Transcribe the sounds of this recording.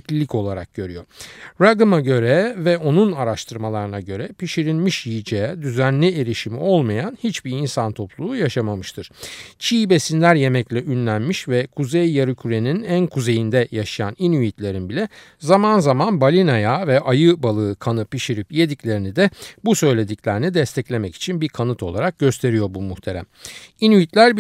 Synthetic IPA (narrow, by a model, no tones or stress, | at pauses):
clʲilʲico̞lˠaɾa̰k̚ɟ̥ø̞ɾyjo̞ɾaɡ̪ɯmaɟø̞ɾɛvɛo̞nunaɾaʃt̪ʰɯɾmalˠaɾɯnaɟø̞ɾɛpiʃiɾilʲmiʃjijid͡ʒejɛd̪yzænlʲieɾiʃimḭo̞lˠmajanhit͡ʃbiɾinsant̪ʰo̞plˠuːjaʃamamɯʃt̪ʰɯɾ̥t͡ʃʰiːbe̞sinlʲæɾje̞mɛclʲɛʔynlʲænmiʃvɛkʰuzejːaɾɯcʰyɾe̞ninænkʰuze̞jind̪ɛjaʃajaninyjit̪lʲe̞ɾinbilʲɛ | zamanzamanbalʲinajavɛʔajɯbalˠɯːkʰanɯpiʃiɾipje̞d̪iclʲe̞ɾinid̪ɛbusø̞jlʲe̞d̪icʲlʲeɾinid̪ɛst̪ʰɛclʲe̞mɛci̥t͡ʃʰinbiɾkʰanɯt̪ʰo̞lˠaɾak̚ɟø̞st̪ʰe̞ɾijo̞ɾbumuxt̪ʰe̞ɾæ̰minyjit̪lʲæɾ